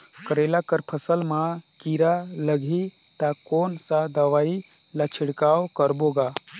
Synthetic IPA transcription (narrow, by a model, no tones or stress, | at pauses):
kəɾelakəɾpʰəsəlmakiɾaləɡʱi | t̪akonsãd̪əʋai | lat͡ʃʰiɽkawkəɾboɡa